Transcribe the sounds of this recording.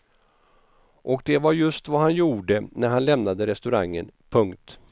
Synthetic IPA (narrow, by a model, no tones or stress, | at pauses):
ʔɔk̚d̪ɛvaɾjɵst̪vahanjuːɖənæɾhanlɛmnad̪əɾɛst̪ɵɾaŋːənpʰɵŋkt̪